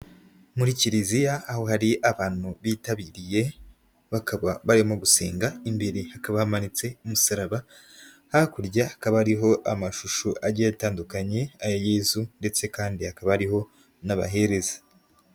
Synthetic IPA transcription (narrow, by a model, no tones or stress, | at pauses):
muɾiciɾizijaːho̞haɾiʔaβaːn̥huβitaβiːɾije̞ | βakʰaβaβaɾimo̞ɡusḛːŋɡaimbeɾihakaβahamanit͡se̞umusaɾaβa | hakuɾɟahakaβaɾiɦo̞ʔamaʃuʃuʔaɾɟiaβitaːndukaɲe̞ajojeːzunde̞t͡se̞kaːndihakaβaaɾiɦo̞ | naβa̰ɦe̞ɾe̞zḁ